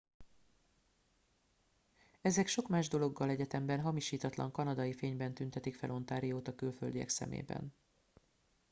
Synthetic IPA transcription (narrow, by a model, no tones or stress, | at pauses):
ɛzɛkʃo̞kmaːʒd̪o̞lo̞ɡːɒlɛɟɛt̪ɛmbɛnɦɒmiʃiːt̪ɒt̪lɒ̰ŋkɒnɒd̪ɒjifeːɲbɛnt̪ynt̪ɛt̪ikfɛlo̞nt̪aːɾijoːt̪ɒkylføld̪iɛ̰ksɛ̰mḛːbɛ̰n